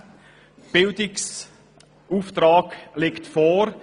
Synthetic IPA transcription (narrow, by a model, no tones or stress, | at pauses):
b̥ɪldɪks | uːftɾɑːɡlektfɔːɾ